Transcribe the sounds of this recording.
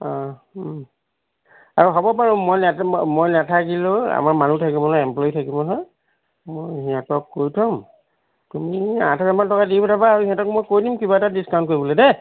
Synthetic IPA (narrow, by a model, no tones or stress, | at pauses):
ɔ̃ | aɹuɦɔbɔpaɹumːojnɛmojnatʰakilʊa̰maɹmanutʰakibɔnɔɛmplɔjitʰakibɔnɔ | mojɦiatɔkːojtʰɔm | tumiã̰tɔkɛmantɔkadibɔtabaːɹuhĩãtɔk̚mojkojdimkibaɛtadiskawntkoɹibɔledɛ